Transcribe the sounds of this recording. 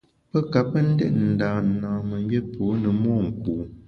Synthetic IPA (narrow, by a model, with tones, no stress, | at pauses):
pə˦ka˨pə˦n̩˦dɛ̰˦ʔn̩˨daː˨n̩˨nãː˨mə˨˦ɡe˦pʰoː˨˦nə˨mɔː˦˨ŋ̩˨kuː˨